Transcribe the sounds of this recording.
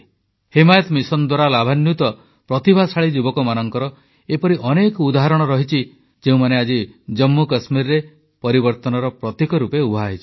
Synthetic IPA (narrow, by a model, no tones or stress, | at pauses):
hemajɔt̪misɔnd̪waɾalabʱanjut̪ɔ | pɾɔt̪ibʱasʰaɭid͡ʒubɔkɔmanɔŋkɔɾɔ | epɔɾiʔɔnekɔud̪aɦaɾɔɽ̃ɔɾɔɦit͡ʃʰi | d͡ʒeũmanead͡ʒid͡ʒɔmːukasmiɾɾe | pɔɾibɔɾt̪ɔnɔɾɔpɾɔt̪ikɔɾupeubʱaɦit͡ʃʰi̥